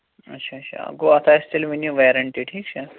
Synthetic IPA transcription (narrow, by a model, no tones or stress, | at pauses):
ɐ̰tːʃʰaɐɕʰa̰ɡoːɐt̪ʰasʈilʋinjuʋeɾəɳʈiʈʰiːkt͡ʃʰɐ